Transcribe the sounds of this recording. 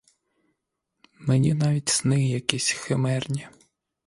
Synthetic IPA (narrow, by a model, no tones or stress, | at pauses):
menʲinɑʋʲitʲsnɪɦjɐkɛsʲxemɛrnʲi